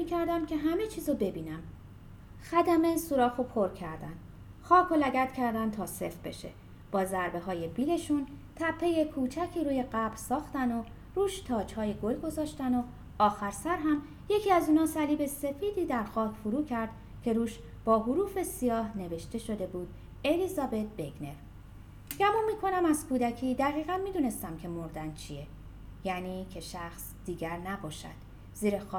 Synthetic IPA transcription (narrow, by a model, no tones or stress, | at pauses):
icʰæɾd̪æmcʲʰe̞ɦæme̞t͡ʃʰiːzobe̞biːnæm | xæd̪æmesuɾɒːxo̞pʰoɾcʰæɾd̪æn | xɒːkʰolæɡæt̪ʰcʰæɾd̪ænt̪ʰɒːse̞fb̥e̞̰ʃḛ | b̥ɒːzæɾbe̞ɦɒːje̞biːle̞ʃunt̪ʰæpʰːe̞jekʰuːt͡ʃʰæcʰiːɾuːje̞ɢæbɾsɒːxt̪æno | ruːʃt̪ʰɒːt͡ʃhɒːjeɡolɡo̞zɒːʃt̪æno | ɒːxæɾsæɾɦæm | je̞cʰiːæzuːnɒːsæliːbe̞se̞fiːd̪iːd̪æɾxɒːcʰfuɾuːcʰæɾd̪̥ | cʰe̞ɾuːʃ | b̥ɒːɦuɾuːfe̞sijɒːhne̞ve̞ʃt̪e̞ʃo̞d̪e̞buːd̪̥ | e̞liːzɒːbe̞t̪̚beɡne̞v | ɡæmunmːiːkʰo̞næmæzkʰuːd̪æcʰiːd̪æʁiːɣænmiːd̪uːne̞st̪æmcʰe̞moɾd̪ænt͡ʃʰije | jæːniːcʰe̞ʃæxs | d̪̥iːɡæɾnæbɒːʃæ̰d̪̥ | z̥iːɾe̞xɒː